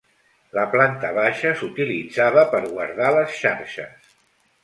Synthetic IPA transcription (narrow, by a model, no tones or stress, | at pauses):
ləplant̪əβaʃəsut̪ilid͡zaβəpəɾɣwaɾð̞aləsʃaɾʃə̰s